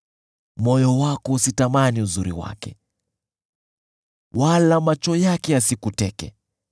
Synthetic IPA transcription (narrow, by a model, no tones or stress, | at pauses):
mɔjɔwakɔusitamaniuzuɾḭwa̰kɛ̰ | walamat͡ʃɔjakɛjasikutɛkɛ̰